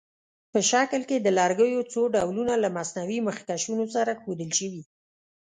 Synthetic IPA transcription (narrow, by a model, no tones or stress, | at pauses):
pəʃaklked̪əlɑɾɡəjot͡soɖawlunalamasnawiməxkaʃunosaɾaxod̪əlʃəwi